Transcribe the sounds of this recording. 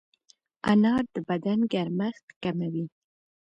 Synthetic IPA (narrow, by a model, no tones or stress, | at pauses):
a̰nɑɾd̪əbad̪anɡaɾmaxt̪kamawi